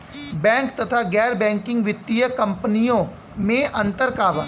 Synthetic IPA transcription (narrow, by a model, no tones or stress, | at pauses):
bɛ̃ːŋkt̪ɐt̪ʰaɡɛːɾbɛ̃ːŋkɪ̃ŋɡʋɪt̪ːijəkɐ̃mpnijõ | mẽɐ̃nt̪əɾkaːʋə